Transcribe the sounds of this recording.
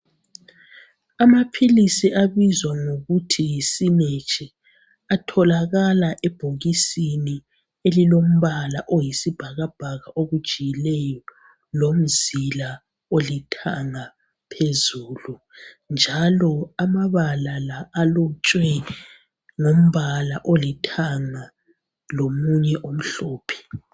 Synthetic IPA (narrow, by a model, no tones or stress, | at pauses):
amapʰilisiʔaβizwaŋoɣutʰijisinet͡ʃʼi | atʰɔlaɣalaʔɛb̥ʱoɣisini | elilom̩βalaʔojisib̥ʱaɣab̥ʱaɣaʔoɣud̥ʒ̥ʱijilɛjɔ | lom̩zila | olitʰaŋa | pʰezuːlu | nd͡ʒʱalɔamaβalalaʔːlɔt͡ʃʼwɛ | ŋom̩βalaʔolitʰaŋa | lomuɲɛʔom̩ɬɔːpʰɛ̥